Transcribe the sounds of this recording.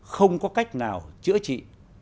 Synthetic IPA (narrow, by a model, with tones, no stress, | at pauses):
xə˧wŋ͡mkɔ˨˦ka˦˥jk̟̚naː˨˩wt͡ɕɨ̰˧˥ət͡ɕḭ˧˨